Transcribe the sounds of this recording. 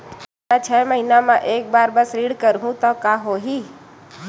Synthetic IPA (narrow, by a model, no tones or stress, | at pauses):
at͡ʃʰɛːməɦinamãʔeːk̚baːɾbɐsɾiːɽkəɾɦũt̪ɔkaːɦoːɦiː